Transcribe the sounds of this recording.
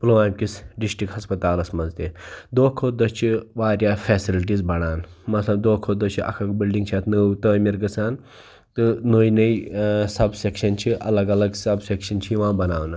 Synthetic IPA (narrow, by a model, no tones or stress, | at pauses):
ploʋaːmʲkʲisɖisʈikɦɐspɐt̪aːlɐsmɐzt̪ed̪oːkʰod̪ɐst͡ʃʰiʋaːɾjaːfʰɛːsilʈ̬iːzbɐɽ̃aːnmɐt̪lɐb̚d̪oːkʰod̪ɐt͡ʃʰiʔɐ̰kʰɐkbilɖĩŋɡt͡ʃʰat̪nəwt̪əːmiɾɡɐt͡sʰaːn | t̪ɨnojnɐisɐbsekʃɐnt͡ʃʰiʔɐlɐɡɐlɐɡsɐbsekʃɐnt͡ʃʰiʋãːbɐnaːwna